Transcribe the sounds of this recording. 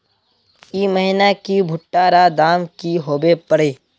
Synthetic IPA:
iːməɦɪnakibʱʊʈːaːɾad̪aːmkiɦoːbepəɽeː

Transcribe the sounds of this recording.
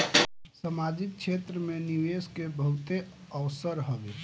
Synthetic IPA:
səmad͡ʒik̚t͡ʃʰet̪ɾəmeniʋeskebəɦut̪e | əʋsəɾɦobe

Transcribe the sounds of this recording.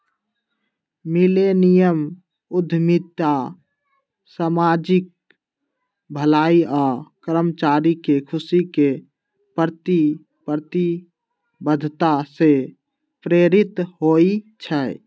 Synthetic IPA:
milenijəm | ud̪ʱmit̪a | samad͡ʒik̚ | bʱəlaiakəɾəmt͡ʃaɾikekʰusike | pəɾt̪i | pəɾt̪i | bəd̪ʱt̪ase | pɾeɾit̪ɦoit͡ʃʰə

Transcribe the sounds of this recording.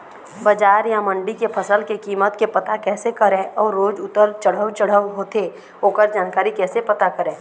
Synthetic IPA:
bəd͡ʒaːɾjamə̃ɳɖikepʰəsəlkekiːmət̪kepɐt̪akɛːsekəɾẽːʔɔːɾːoːd͡ʒʊt̪əlt͡ʃəɽ̤əwt͡ʃəɽ̤əwɦoːt̪e | oːkəɾd͡ʒaːnkaːɾikɛːsepɐt̪akəɾẽː

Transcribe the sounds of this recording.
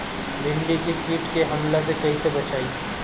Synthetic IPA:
lɪ̃ɳɖikikiːʈkeɦɐmlas̬ekɐɦisebɐt͡ʃaːi

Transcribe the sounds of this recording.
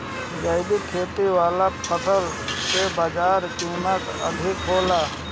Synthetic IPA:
d͡ʒəɪd̪ikʰeːt̪iʋaːlapʰəsəl | sebaːd͡ʒaːɾt͡ʃuːnək | ə̰d̪ʱɪkɦoːlaː

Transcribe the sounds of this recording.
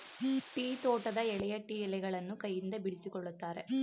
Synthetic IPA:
ʈiːt̪oːʈɐd̪ɐɛɭɛjɐʈiːɛlɛɡɐɭɐnːukɐjːind̪ɐbiɽisikɔɭːut̪ːaːɾe

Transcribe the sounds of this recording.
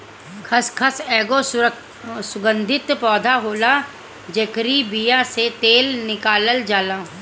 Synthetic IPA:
kʰɐskʰəsɛːɡo | sʊɡə̃nd̪ʱɪt̪pɔːd̪ʱaɦoːla | d͡ʒɐkɾibijaset̪eːlnɪkaːləld͡ʒaːlaː

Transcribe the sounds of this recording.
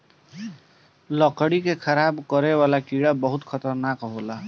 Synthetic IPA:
lɔkɽikekʰəɾaːbkəɾewaːlakiɽabəɦʊt̪kʰət̪əɾnaːkɦoːlaː

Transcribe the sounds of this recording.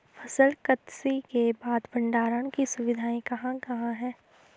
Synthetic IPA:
fʰɐsəlkɐt̪sikebaːd̪bɐ̃ɳɖaːɾəɽ̃kisʊʋɪd̪ʱaːĩkɐɦãkɐɦãɦɛː

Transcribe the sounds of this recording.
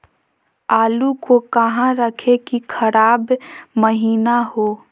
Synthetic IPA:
aːlukokəɦãɾəkʰekikʰəɾaːbməɦiːnaɦoː

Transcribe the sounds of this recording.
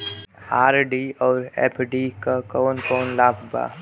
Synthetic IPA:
aːɾɖiːɔːɾɛ̰ːpʰɖiːkakɔːnkɔːnlaːkʰba̰ː

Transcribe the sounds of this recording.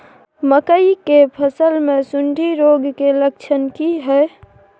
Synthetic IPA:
məkəikepʰəsəlmesuɳɖʱiɾoɡkelək̚t͡ʃʰənkiɦə

